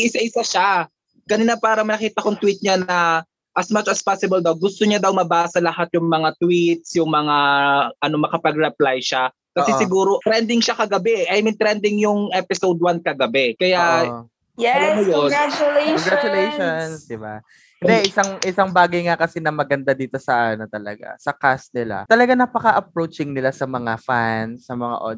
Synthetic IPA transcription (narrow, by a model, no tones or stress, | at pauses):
ʔɪsaʔɪsaʃa | kɐnɪnapaːɾɐmɐnɐkiːt̪ɐkoŋt̪wit̪̚ɲanɐ | ʔɐsmat͡ʃɐspasɪbɐld̪ɐwɡʊst̪oɲad̪ɐwmɐbaːsɐlɐhat̪̚jʊŋmɐŋat̪wit̪̚sjʊŋmɐŋaʔɐno̞mɐkɐpɐɡ̚ɾɛplajʃa | kɐsɛsɪɡuːɾo̞t̪ɾɛnd̪ɪŋʃakɐɡɐbɛʔɛʔɐjmint̪ɾɛnd̪ɪŋjʊŋʔɛpɪsowd̪̚wankɐɡɐbɛkɐja | ɛanojot͡ʃʊleɔɡɾat͡ʃʊlejʃonnsd̪ɪba | hɪnd̪ɛʔɪsaŋʔɪsaŋbaːɡɐjŋakɐsɛnɐmɐɡɐnd̪ad̪iːt̪o̞sɐʔanot̪ɐlɐ̰ɡa̰sɐkas̚nɪla̰t̪ɐlɐɡanɐpɐkaʔɐp̚ɾowt͡ʃɪŋnɪlasɐmɐŋafansɐmɐŋa̰ʔo̰d̪